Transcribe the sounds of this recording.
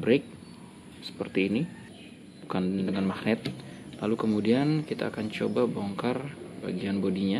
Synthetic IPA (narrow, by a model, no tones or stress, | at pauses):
bɾek̚ | sə̥pərt̪iːni | bukandəŋanmaknɪt̪̚lalukəmudiankit̪a̰ːkant͡ʃobaboŋkarba̰ɡianbodiɲa